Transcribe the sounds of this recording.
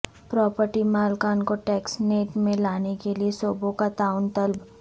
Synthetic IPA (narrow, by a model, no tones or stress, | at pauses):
pɾɔːpəɾʈimaːlkaːnkoʈɛːksneːʈmẽlaːnekeliesoːbõkat̪aːʊnt̪ɐlb